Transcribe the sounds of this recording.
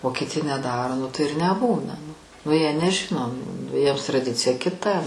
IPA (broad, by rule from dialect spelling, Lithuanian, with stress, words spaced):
oː kʲɪtʲɪ nʲɛˈdɑːroː nʊ tɐɪ ɪr nʲɛˈbuːnɐ nʊ nʊ ˈjiɛ nʲɛˈʒʲɪnoː nʊ ˈjiɛms trɐˈdʲɪt͡sʲɪjɛ kʲɪˈtɐ